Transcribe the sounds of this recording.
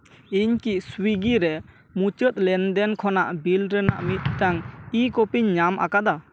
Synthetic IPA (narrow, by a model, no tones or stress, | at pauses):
iɲkiʔswiɡiɾɛ | mut͡ʃət̪̚lɛnd̪ɛnkʰɔna̰ʔbilɾəna̰ʔmit̪̚ːaŋikɔpiɲːama̰kad̪a